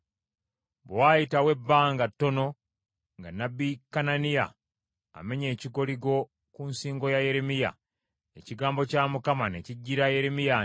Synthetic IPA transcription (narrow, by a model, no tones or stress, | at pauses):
βwajitawe̞bːaːŋɡatːo̞no̞ | ŋɡanːabikananija̰ː | me̞ɲe̞ːciɡo̞liɡo̞ | kunsiːŋɡo̞jaje̞ɾemija̰ | e̞ciɡaːmbo̞camukamane̞ciɟːiɾaje̞ɾe̞mija